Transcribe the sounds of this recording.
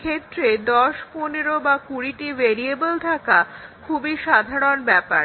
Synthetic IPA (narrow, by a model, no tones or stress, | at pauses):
kʰet̪ːɾed̪ɔʃponeɾobakuɾiʈiveɾiebolʈ̪ʰakakʰubiʃad̪ʱaɾonbɛpa̰ɾ